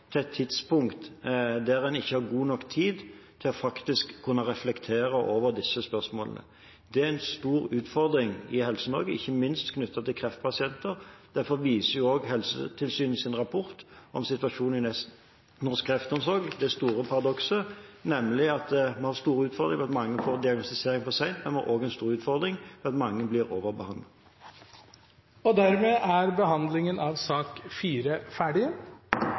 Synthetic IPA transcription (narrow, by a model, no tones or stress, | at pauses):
t̪ʰɛɛt̪ʰːɪt̪spʊŋkt̪d̪æɾɛnɪçːəhɑɾɡuːnɔkːt̪ʰiːd̪t̪ʰɪlɔfɑkt̪ɪskʰːʉnːəʁɛflɛkt̪ʰeːɾəʔoːʋəɾd̪ɪsːəspœʁsmoːlənə̰ | d̪̥ɛæɛnst̪uːɾʉːt̪fɔʁd̪ɾɪŋɪhɛlsənɔɾɡəɪçːəmɪnst̪kʰnʉt̪ʰːɑt̪ʰɪlkʰʁɛft̪̚pʰɑsɪɛnt̪əɾd̪̥æɾfɔɾʋiːsəjʊoːɡhɛlsə̰t̪ʰɪlsyːn̩sɪnʁɑpʰɔɾt̪ʔɔmsɪt̪ʋɑʂuːnɪɛ | nɔskʰːʁɛft̪əɔmsɔʁɡd̪ɛst̪uːʁəpʰɑʁɑd̪ɔksənɛmlɪɑt̪mɛhɑːɾst̪uːɾʉːt̪fɔʁd̪ʁɪŋpɛɑt̪mɑŋːəfoːʁd̪ɪɑɡnɔst̪ɪseːʁɪŋfɔsæɪnt̪mɛnmɑ̰ʔoːɡɛnst̪uːɾʉːt̪fɔʁd̪ɾɪŋfɛɑt̪mɑŋːəblɪʁoːʋəʁbəhɑnd̪ət̪ | ɔd̪æɾmeːʔæɾbəhɑnd̪lɪŋənɑʋsɑːkfiːɾəfæːɖɪə